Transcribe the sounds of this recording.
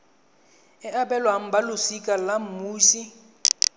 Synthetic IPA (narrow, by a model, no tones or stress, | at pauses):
ɛʔabɛlwaŋ̩balʊsikʼalam̩muːʃi